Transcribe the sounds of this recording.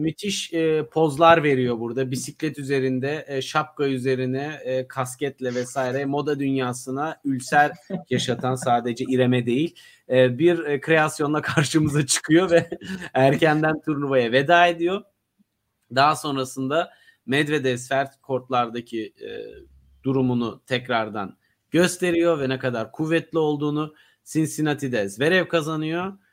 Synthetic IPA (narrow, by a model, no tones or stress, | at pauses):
mit̪ʰiʃpʰo̞zlˠaɾve̞ɾijo̞buɾd̪abisiclʲɛt̪yze̞ɾind̪ɛʃap̚kayze̞ɾinɛkʰascɛt̪lʲɛvɛsaːiɾɛmo̞d̪ad̪ynjaːsɯnaylʲsæɾʲjaʃat̪ʰansaːd̪e̞d͡ʒɛʔiɾe̞mɛd̪e̞jilʲː | biɾkʰɾe̞asjo̞nˠakʰaɾʃɯmɯzat͡ʃʰɯ̥kʰɯjo̞vɛæɾcʰænd̪ænt̪ʰuɾnuvajave̞d̪aːe̞d̪ijo̞ | d̪aɦaso̞nɾasɯnd̪a | mɛd̪ved̪ɛsfæɾt̪̚kʰo̞ɾt̪lˠaɾd̪acʰḭ | d̪uɾumunut̪ʰɛcɾaɾd̪an | ɟ̥ø̞st̪ʰe̞ɾijo̞vɛnɛkad̪aɾkʰuvːɛt̪lʲio̞lˠd̪uːnu | sinsinat̪ʰid̪ɛzve̞ɾɛvkʰazanɯjo